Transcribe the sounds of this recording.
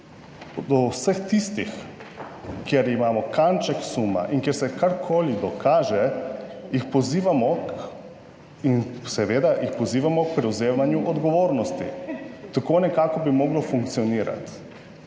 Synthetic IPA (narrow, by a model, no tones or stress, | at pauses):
d̪ɔwsəxt̪ist̪ix | kjeɾimaːmɔkant͡ʃɛksuːma̰ʔiŋkjɛɾsɛkaɾkʰoːlid̪ɔkʰaːʒɛjixpɔziːʋamɔk | insɛʋeːd̪aʔjixpɔziːʋamɔk̚pɾɛwzeːmanjuʔɔd̪ɡɔʋoːɾnɔst̪ḭt̪akoːnɛkaːkɔbimɔɡlɔfuŋk̚t̪sijɔniːɾa̰t̪